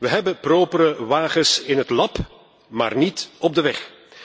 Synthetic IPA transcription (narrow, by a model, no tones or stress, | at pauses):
ʋəɦɛbəproːpəɾəʋaːχəsɪnɦətlɑp | ma̰ːrnitɔb̚dəʋɛχ